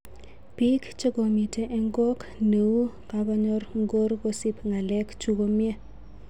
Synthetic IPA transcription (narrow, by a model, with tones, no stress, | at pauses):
pi˦kt͡ʃɔ˦ɡo˨mi˨tʰe˦ʔɛ˦ŋɡɔ˦kne˨wu˦ | ka˦ba˦ɲɔ˦rŋ˦ɡo˦ɾɡo˦si˦pŋa˨lɛ˦kt͡ʃu˦ɡo˦mje˦